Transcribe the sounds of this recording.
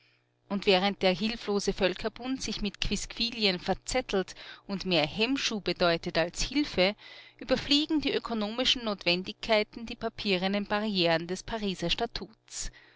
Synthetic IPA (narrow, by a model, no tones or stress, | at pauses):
ʔʊntv̥ɛːʁ̞ənt̚d̥eːɐɦɪlfloːzəfœlkʰɐbʊntz̥ɪçmɪtkʰv̥ɪskv̥iːljənfɛɐt͡sɛtʰl̩tʊntmeːɐhɛmʃuːbədɔʏtətalshɪlfəʔyːbɐfliːɡŋ̩diːʔøkʰonoːmɪʃn̩noːtv̥ɛndɪçkʰːaɪtn̩diːpʰapʰiːʁənənb̥aʁieːʁəndɛspʰaʁiːzɐʃtatʰuːts